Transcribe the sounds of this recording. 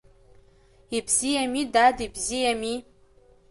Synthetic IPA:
ibzijamidadibzijami

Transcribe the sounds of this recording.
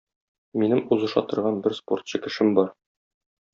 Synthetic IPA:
minɘmuzɤ̆ʃɑ̰t̪ɤ̆ɾʁɑnbɘɾspo̞̰ɾt̪̚ɕɤkɘ̆ʃɘmbɒɾ

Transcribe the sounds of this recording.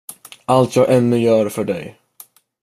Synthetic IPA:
ʔalt̪ʰjɑːɡʔɛnːɵjœːɾfœɖɛ̰j

